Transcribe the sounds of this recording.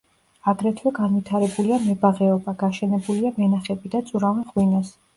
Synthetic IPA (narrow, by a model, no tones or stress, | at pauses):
aɡɾɛt̪ʰwɛɡanwit̪ʰaɾɛbuliamɛbaʁɛɔbaɡaʃɛnɛbuliamɛnaχɛbid̪at̪sʼuɾavɛnʁwinas